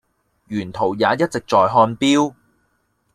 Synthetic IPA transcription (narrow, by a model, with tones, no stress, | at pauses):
jyː˨˩nt̪ʰo˨˩wjaː˨˧jɐ˥t̚t͡sɪ˨k̚t͡sɔː˨jɦɔː˧npiː˥w